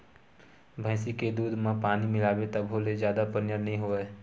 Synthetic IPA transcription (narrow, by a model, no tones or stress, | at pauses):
bʱə̃ːsiked̪uːd̪ʱmãpaːnimɪlaːwet̪əbʱɦoːlezjaːd̪apənjəɾnəɦĩɦoːeː